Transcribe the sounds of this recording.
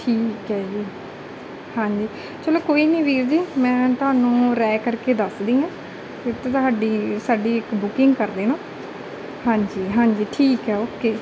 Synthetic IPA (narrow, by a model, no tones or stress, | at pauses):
ʈʰiːkɦɛːd͡ʒiː | hãːɲd͡ʒiː | t͡ʃəloːkoːiːnĩːʋiːɾd͡ʒiːmɛ̃ːt̪ʊɦaːnũːɾɛːkəɾkeːd̪əsd̪ĩːãː | t̪et̪ːt̪ʊɦaːɖiːsaːɖiːɪkbʊkɪ̃ŋɡkəɾd̪eːnõː | hãːɲd͡ʒiːɦãːɲd͡ʒiːʈʰiːkɦɛːoːkːeː